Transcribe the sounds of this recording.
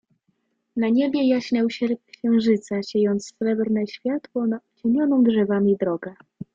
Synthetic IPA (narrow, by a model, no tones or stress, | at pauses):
naɲebʲjɛjaɕɲawɕɛɾkɕɛ̃w̃ʐɘt̪saɕɛjɔnt̪sːɾɛbɾnɛɕfʲjat̪wɔnat͡ɕeɲʲjɔnɔ̃w̃dʐɛvamʲid̪ɾɔɡɛ